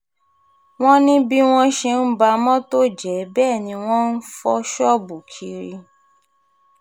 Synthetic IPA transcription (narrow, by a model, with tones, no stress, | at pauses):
w̃ɔ̃˦nĩ˦bi˦w̃ɔ̃˦ʃe˧n̩˦ba˧mɔ̃˦to˦d͡ʒɛ˨˦bɛː˦˨nĩ˧w̃ɔ̃˦n̩˦fɔ˧˦ʃɔ˦bu˨kʰi˧ɾḭ˧